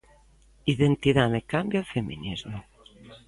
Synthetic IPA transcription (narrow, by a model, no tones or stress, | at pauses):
iðent̪iðamekambjalfemḭnizmo